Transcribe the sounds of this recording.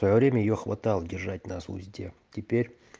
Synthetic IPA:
svɐjovɾʲemʲəjɪjoxva̰t̪ɑlˠədʲɪrʐatʲnasʊ̰zʲdʲetʲɪpʲeɾʲ

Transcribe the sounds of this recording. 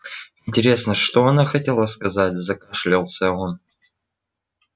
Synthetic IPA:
ɪnʲtʲɪɾʲe̞snəʂt̪oɐnaxɐtʲelˠəskɐzatʲzɐkɐʂlʲolˠsʲəon

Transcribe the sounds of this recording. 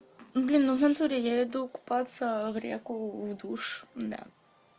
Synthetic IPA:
blʲinːunɛnt̪uɾʲijaɛd̪uku̥pat̪sɐvɾʲḛkʊvd̪uʂd̪ɛ̰

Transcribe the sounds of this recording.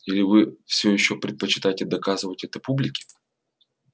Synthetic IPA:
ilʲɪvɨfsʲojɪɕːopɾʲɪt̪̚pət͡ɕɪ̥t̪ajɪtʲɪd̪ɐkazɨvətʲɛt̪əpublʲɪkʲɪ̥

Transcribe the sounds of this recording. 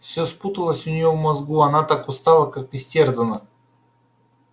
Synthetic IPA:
fsʲɵsput̪əlˠəsʲʊnʲɪjovmɐzɡuɐnat̪akʊst̪alˠəkakɪsʲtʲerzənə

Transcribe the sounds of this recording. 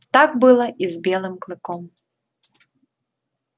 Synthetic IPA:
t̪akbɨlˠɐʔizbʲɛlˠɨmklˠɨkɔm

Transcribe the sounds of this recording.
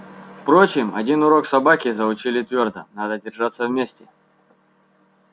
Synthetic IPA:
fpɾo̞t͡ɕɪmɐ̰dʲinʊɾo̞ksɐbakʲɪzəʊt͡ɕilʲɪt̪vʲo̞rd̪ə̰nad̪ədʲɪrʐat̪səvmʲesʲtʲɪ

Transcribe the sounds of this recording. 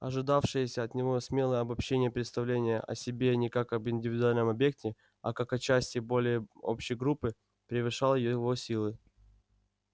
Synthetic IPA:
ɐ̰ʐɨd̪afʂɨjəsʲəɐt̪nʲɪvo̞sʲmʲe̞lˠəjəɐbɐpɕːenʲɪjəpɾʲɪt̪st̪ɐvlʲenʲɪjə̰ʔɐ̰sʲɪbʲe̞nʲɪkakɐbɪnʲdʲɪvʲɪd̪ʊalʲnəmɐbje̞k̚tʲɪ | ɐ̰kakɐt͡ɕæsʲtʲɪbo̞lʲɪjəo̰pɕɪjɡɾupːɨ | pʲɾʲɪvɨʂɑlˠəjɪvo̞sʲilˠɨ

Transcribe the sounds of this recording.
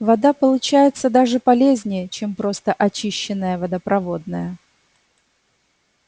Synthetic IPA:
vɐd̪apəlˠʊt͡ɕæjɪt̪səd̪aʐɨpɐlʲezʲnʲɪjət͡ɕe̞mpɾo̞st̪əʔɐt͡ɕiɕːɪnːəjəvɐd̪əpɾʔɐvo̞d̪nəjə

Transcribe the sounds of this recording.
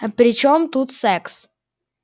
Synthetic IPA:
ɐpɾʲɪt͡ɕomt̪ut̪sɛks

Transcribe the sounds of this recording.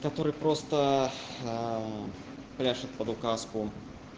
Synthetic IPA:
kɐt̪oɾɨjpɾost̪ə | plʲaʂɨt̪̚pəd̪ʊkaskʊ

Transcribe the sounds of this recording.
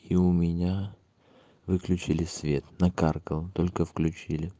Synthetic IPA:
iʊmʲɪnʲa | vɨklʲʉt͡ɕɪlʲɪsʲvʲe̞t̪nɐkarkəlˠt̪o̞lʲkəfklʲʉt͡ɕilʲɪ

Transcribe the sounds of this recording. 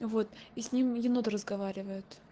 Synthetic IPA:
vo̞t̪isʲnʲimjɪnod̪əɾəzɡɐvaɾʲɪvəjʊt̪

